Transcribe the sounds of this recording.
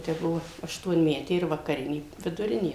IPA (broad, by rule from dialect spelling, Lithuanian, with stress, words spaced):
tɐɪ ˈbʊʋoː ɐʃtuɔnʲˈmʲæːtʲeː ɪr ʋɐkɐˈrʲɪnʲeː ʋʲɪdʊˈrʲɪnʲeː